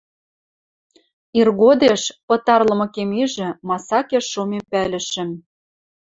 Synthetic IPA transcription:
irɣod̪eʃpɤ̆t̪ɑrlɤ̆mɤ̆kemiʒɘ̆mɑsɑkeʃːomempælɘ̆ʃɘ̆m

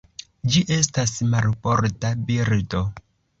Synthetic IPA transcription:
d͡ʒiʔe̞stasmalpoɾtabiɾdo̞

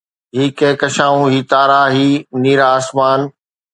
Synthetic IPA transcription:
ɦiːkeːkɐʃãːũɦiːt̪aːɾaːɦiːniːɾaːsmaːn

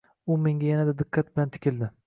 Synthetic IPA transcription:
ʊme̞ŋɡʲajanad̪ad̪ɪqːɑt̪̚bɪlant̪ʰɪ̥kʲɪld̪ɪ

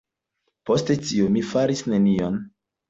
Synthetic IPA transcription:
po̞ste̞t͡ʃiomifaɾisne̞nion

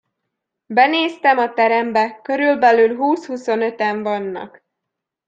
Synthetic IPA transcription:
bɛneːst̪ɛmɒt̪ɛɾɛmbɛkø̞ɾylbɛlyːlɦuːshuso̞nø̞t̪ɛɱvɒnːɒ̰k

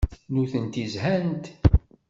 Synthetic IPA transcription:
nuθənt̪izhænt̪

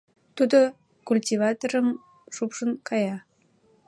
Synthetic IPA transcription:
t̪ud̪o | kulʲtʲivɑt̪oɾə̆m | ʃupʂɤ̆nkɑjɑ

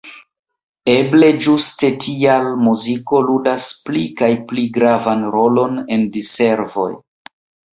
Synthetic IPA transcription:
e̞ble̞d͡ʒuste̞tʰialmuziko̞ludasplikajpliɡɾavanɾo̞lo̞ne̞ndise̞ɾvo̞̰j

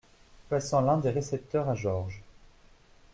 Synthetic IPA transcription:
pasɑ̃lɛ̃d̪eʁesɛp̚t̪œʁaʒɔʁʒ

